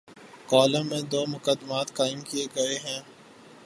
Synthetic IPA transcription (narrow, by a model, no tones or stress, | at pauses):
kɔːlə̃mẽd̪oːmʊkəd̪maːt̪kaːɪmkieɡɐeɦɛ̃ː